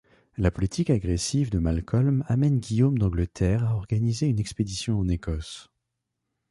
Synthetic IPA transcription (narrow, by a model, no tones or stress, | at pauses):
lapɔlit̪ʰikaɡʁesivd̪əmalkʰɔlmamɛnɡʲijomd̪ɑ̃ɡlət̪ʰɛʁaɔʁɡanizeynɛksped̪isjɔ̃ɑ̃nekɔs